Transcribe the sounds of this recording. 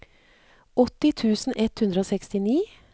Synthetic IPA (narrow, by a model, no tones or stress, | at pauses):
ɔt̪ɪt̪ʰʉːsn̩ɛt̪hʉnd̪ɾəoːsɛkst̪ɪniː